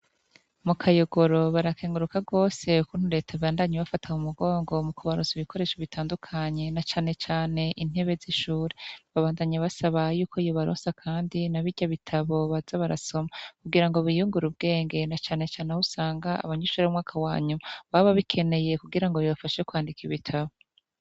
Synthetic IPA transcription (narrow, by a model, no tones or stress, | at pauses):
mukʰajoɡo̞ɾo̞βaɾakʰeːŋɡuɾukaɡo̞ːse̞ukun̥uɾe̞tʰaβaːndaɲeβafatʰahumuɡo̞ːŋɡo̞mukuβaɾoːnziβikʰoɾe̞ːʃoβitʰaːndukʰaɲe̞nat͡ʃaːne̞t͡ʃaːne̞ʔin̥e̞βe̞ziʃuːɾeβaβaːndaɲaβasaβajuːkʰo̞ijoβaɾoːnsakʰaːndinaβiɟaβitʰaβo̞βazaβaɾa̰so̞makuɡiɾaŋɡo̞βijuːŋɡuɾub̚ɡe̞ːŋɡe̞nat͡ʃaːne̞t͡ʃaːnehusaːŋɡaa̰βaɲuʃuɾeumŋaːkʰawaːɲumaβaβaβikʰe̞ne̞je̞kuɡiɾaŋɡo̞jiβafaʃekwaːndikʰiβitʰaβo